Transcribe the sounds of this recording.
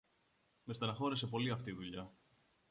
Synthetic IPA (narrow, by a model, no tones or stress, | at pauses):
mest̪ɐnɐxo̞ɾese̞po̞liɐft̪iðuʎɐ